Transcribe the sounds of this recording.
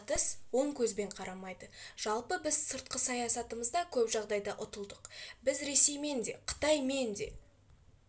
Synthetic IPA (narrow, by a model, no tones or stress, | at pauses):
t̪əswo̞ɴkʲʰɵzbe̞ɴqʰɑɾɑmɑjd̪əʒ̥ɑlˠpəbɪzsəɾt̪̚qəsɑjɑsɑt̪əməzd̪ɑkʲʰɵpʒɑʁd̪ɑjd̪ɑʔʊt̪əlˠd̪əqbɪzɾe̞se̞jme̞nd̪e̞qʰə̥t̪ɑjme̞nd̪e̞̰